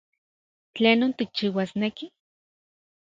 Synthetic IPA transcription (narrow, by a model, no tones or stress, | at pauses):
t͡ɬeːnoːnt̪ik̚t͡ʃiːwasneki